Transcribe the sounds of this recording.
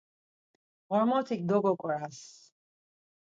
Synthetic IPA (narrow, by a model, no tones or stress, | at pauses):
ʁɔɾmɔt̪ʰik̚ʼd̪ɔɡɔkʼɾas